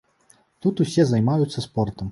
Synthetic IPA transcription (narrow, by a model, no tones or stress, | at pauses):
t̪ut̪usʲɛzɐjmajut̪sːɐspɔrt̪ɐm